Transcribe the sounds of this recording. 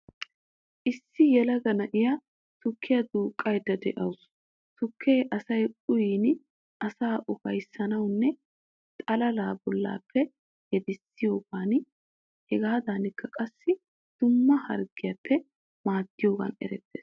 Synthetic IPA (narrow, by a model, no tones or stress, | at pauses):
ʔɪsːɪjɛlɐɡɐnɐʔɪjɐ | tʊkʰːɪjɐd̪uːkʼːɐjd̪ɐd̪ɛ̰ʔɐws | tʊkʰːeːʔɐsɐjʼʊjiːn | ʔɐsaːʔɔkɐjsːɐnɐwnːɛ | t̪ʼɐlɐlaːbɔlːa̰ːpːɛ | jɛd̪ɪsːɪjo̞ːɡaːn | hɛɡaːd̪aːnɪkːɐkʼɐsːɪ | d̪̥ʊmːɐhɐ̰ɾɡɪjapːɛ | maːt̪ːɪjo̞ːɡɐ̰nɛ̰ɾɛt̪ːḛːs